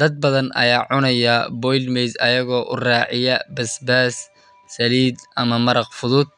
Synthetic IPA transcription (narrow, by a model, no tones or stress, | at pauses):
d̪ɐd̪̚bɐðɐnɐ̰jaːʕʊnɐjɐbɔjlmɛjsɐjɐɣɔːʔʊraːʕɪjɐbɐsbaːs | sɐliːd̪ʔɐmɐmɐɾɐqfʊðʊd̪̚